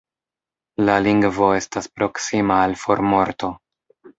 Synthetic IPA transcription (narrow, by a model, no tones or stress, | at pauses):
laliŋɡvo̞e̞staspɾo̞ksimaːlfo̞ɾmo̞ɾto̞